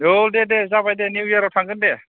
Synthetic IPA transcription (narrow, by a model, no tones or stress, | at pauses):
odedezabajdeniwjaɾawtʰaŋɡɯnde